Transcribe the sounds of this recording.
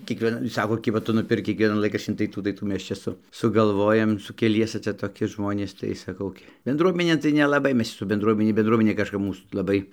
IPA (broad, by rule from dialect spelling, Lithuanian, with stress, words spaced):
kʲiɛkʋʲiɛˈnɐ ˈsɑːkoː ˈkʲɪbɐ ˈtʊ nʊˈpʲɪrk kʲiɛkˈʋʲiɛnɐn ˈlˠɐɪˈkrɑːʃʲt͡ʃʲɪn tɐɪ ˈtuː tɐɪ ˈtuː ˈmʲɛs ˈt͡ʃʲɛ sʊ sʊɡɐlˠˈʋoːjɛm sʊ kʲɛˈlʲiɛsʲɛ ˈt͡sʲɛ toːˈkʲɪ ˈʒmoːnʲeːs tɐɪ sɐˈkɐʊ ɡʲɪ bʲɛnˈdruɔmʲɛnʲeːn tɐɪ nʲɛlˠɐˈbɐɪ ˈmʲɛs sʊ bʲɛnˈdruɔmʲɛnʲɛ bʲɛnˈdruɔmʲɛnʲeː kɐʃˈkɐp ˈmuːs lˠɐˈbɐɪ